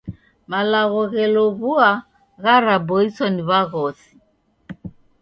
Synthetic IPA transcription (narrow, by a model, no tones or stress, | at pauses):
malaɣɔɣɛlɔβua | ɣaɾabɔisɔniβaɣɔsi̥